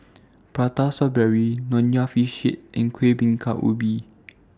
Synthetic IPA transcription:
pɹatasɔbɹɛɹinɔ̃njafiʃḭt̚ʔĩnkʰwebĩŋkʰa̰ʔṵbi

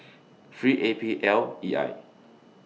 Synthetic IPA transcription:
fɹiʔepʰiʔɛlia̰j

